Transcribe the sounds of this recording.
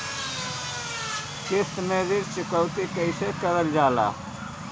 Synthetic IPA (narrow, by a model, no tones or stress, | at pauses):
kest̪meziɾt͡ɕikɐwt̪ikɐisekɐɾɐld͡ʑaːla̰ː